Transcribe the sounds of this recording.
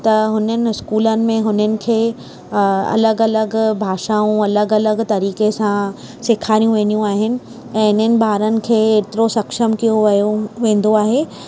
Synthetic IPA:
t̪ɐɦʊnənɪ̆ɪskuːlənɪ̆mẽɦʊnənɪ̆kʰeː | ɐ̰ləɡɐləɡbʱaːʃaːũɐləɡɐləɡt̪ɐɾiːkesã | sɪkʰaːɾijũʋẽːnijũaːɦɪnɪ̆ | ɛ̃ːɪn̤ənɪ̆bʱaːɾənɪ̆kʰeːeːt̪ɪɾosɐkʃəmkijoʋoʋẽːn̆d̪oaːɦeː

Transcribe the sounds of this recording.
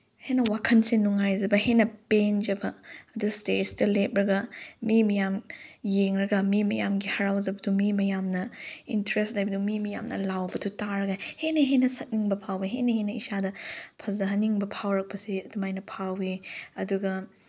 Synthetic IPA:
henɐwakʰɐnsinuŋajzɐbɐhenɐpend͡ʒɐbɐɐdustetsdɐlep̚ɾɐɡɐmimɐjamjeŋɾɐɡɐmimɐjamɡihɐɾawzɐbɐdumimɐjamnɐintɾestlajbɐdumimɐja̰mnɐ̰lawbɐdutaɾɐɡɐhenɐɦenɐsɐt̚niŋbɐpʰawiɦenɐhenɐisadɐpʰɐzɐɦɐniŋbɐpʰawɾɐk̚pɐsiɐdumajnɐpʰawiɐduɡɐ

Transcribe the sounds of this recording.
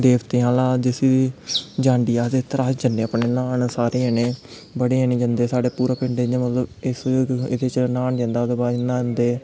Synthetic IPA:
d̪eːʋt̪eːãːlãːd͡ʒɪsi | d͡ʒãːɳɖiːaːd̪et̪əɾaːsd͡ʒəneːapneːnaːnsaːɾeːɛːneː | bəɽeːɛnẽːd͡ʒənd̪eːsaːɽeːpuːɾaːpɪ̃ɳɖeːɲẽːmət̪ləbɪsɪ̰d̪eːt͡ʃnaːɳd͡ʒãnd̪aːd̪ebaːd͡ʒnːãːd͡ʒənd̪eː

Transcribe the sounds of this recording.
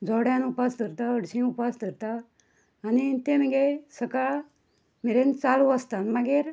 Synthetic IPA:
d͡zɔɽjãnupasd̪əɾt̪aəɽsĩupasd̪əɾt̪aː | nit̪eməɡesəkaɭ | miɾent͡saluəst̪anmaɡiɾ

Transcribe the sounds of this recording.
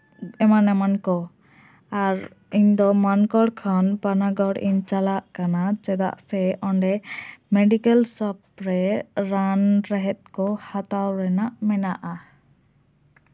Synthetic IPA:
ɛmanɛmankɔ | aɾ | iɲd̪ɔmankɔɽkʰanpanaɡɔɽḭɲt͡ʃalaʔkanat͡ʃɛd̪a̰ʔsɛʔɔɳɖɛmɛɖikɛlsɔp̚ɾɛɾanɾɛɦɛt̪̚kɔhat̪awɾɛnaʔmɛnaʔa

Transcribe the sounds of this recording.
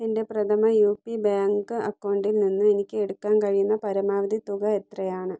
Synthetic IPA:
inde̞prɐt̪ʰɐmɐjuːpːibaːŋɡɨɐkːɐwɳɖilninːɨe̞nikʲːɨe̞ɽukːaːnkɐɻijunːɐpɐɾɐmaːʋɐd̪ʱit̪uɣɐe̞t̪rɐjaːɳɨ

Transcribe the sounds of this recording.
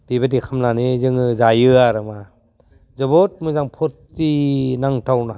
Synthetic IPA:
d̥ibadikʰamlanezɯŋɯzajɯaɾɯma | zɯbot̚mɯzaŋpʰɔɾtː | inaŋtʰawna

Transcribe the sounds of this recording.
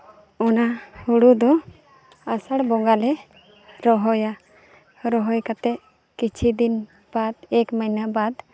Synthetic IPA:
ɔnahuɽud̪ɔ | asaɽbɔŋɡalɛ | ɾɔɦɔja | ɾɔɦɔjkat̪ɛʔ | kit͡ʃʰid̪in | b̥ad̪̚ɛkmajnabad̪

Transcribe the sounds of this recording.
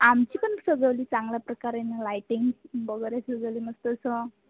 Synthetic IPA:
amt͡ɕipənsəd͡zəwliːt͡saŋɡljapɾəkaɾenalajʈiŋɡbəɡəɾjasəd͡zəwliːməst̪əsɔ

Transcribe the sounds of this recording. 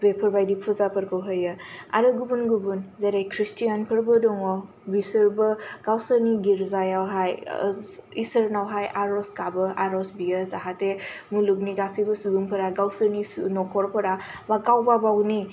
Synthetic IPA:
bepʰəɾbajdipʰuzapʰəɾkʰɔwɦəjɯa̰ɾɯɡubunɡubunzeɾajkʰɾistʰijanpʰəɾbɯdɔŋɔ | bisəɾbɯɡ̥awsəɾniɡiɾzajawɦaj | isəɾnawɦajaɾɔskabɯʔaɾɔsbijəzaɦatemuluɡniɡasibɯsuɡumpʰəɾaɡawsəɾninɔkʰɔɾpʰɯɾabaɡawbabawni

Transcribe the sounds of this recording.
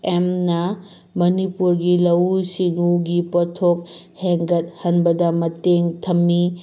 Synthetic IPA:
emnɐ | mɐnipuɾɡilɐwsiŋuɡipotʰok̚ | heŋɡɐt̚hɐnbɐdɐmɐteŋtʰɐmːi

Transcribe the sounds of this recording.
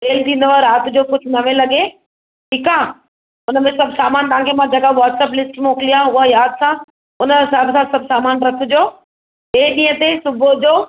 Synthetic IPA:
ʈeːlt̪ʰĩːn̆d̪əʋaɾaːt̪d͡ʑoːkʊd͡ʑʰʱʊnɐʋẽlɐɡe | ʈʰiːkã | ʊnəmẽsɐbsaːmaːnt̪aãŋkʰemãd͡ʑɐkaʋɔːʈsɛːplɪsʈmoːklijãʊɦajaːd̪sã | ʊnəmẽsaːbsãsɐbʱsaːmaːnɾɐkʰʊd͡ʑoː | eːɗĩːət̪esʊbʱod͡ʑoː

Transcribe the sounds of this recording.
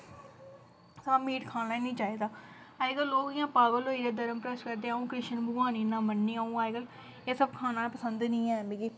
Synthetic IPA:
saːmiːʈkʰaːnaːnĩːt͡ʃaːiːd̪aːaːɪɡəlːoːkɪjãːpaːbəlɦoːiːd̪eːd̪əɾəmpɾəskəɾd̪eːaːũːkɾɪʃənbʊɡaːniːnãːmənːiːaːũːaːɡəl | eːsəb̚kʰaːnaːpəsənd̪nĩːɛːmeːɡiː

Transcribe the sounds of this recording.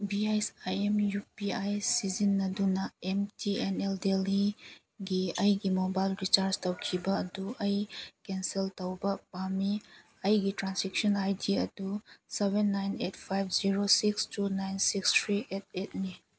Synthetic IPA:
biajsajemjupiajsizinːɐdunɐemtʰieneldeli | ɡiɐjɡimobajlɾit͡ʃaɾstɐwkʰibɐːduʔɐjkenseltawbɐpami | ɐjɡitɾansik̚sɔnajdiɐdusebenːajnet̚pʰajb̚ʰziɾosikstunajnsikstʰɾiet̚et̚ni

